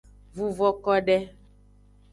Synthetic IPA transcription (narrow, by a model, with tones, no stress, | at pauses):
vu˨vɔ˦˨kɔ˦ɖɛ˦